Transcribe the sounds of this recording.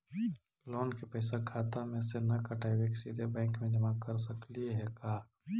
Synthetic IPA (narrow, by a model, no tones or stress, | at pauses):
lɔːnkepɛːsakʰaːt̪amẽsenɐkɐʈʰaːjweksid̪ʱebɛ̃ːŋkmẽd͡ʒɐmakəɾsɐkliɦɛkaː